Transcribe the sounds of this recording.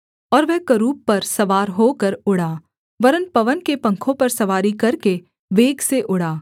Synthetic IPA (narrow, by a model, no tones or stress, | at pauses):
ɔːɾʋɛɦkɐɾuːpːɐɾsɐʋaːɾɦoːkɐɾʊɽaː | ʋɐɾənpɐʋənkepɐ̃ŋkʰõpɐɾsɐʋaːɾikɐɾke | ʋeːɡseʔʊɽaː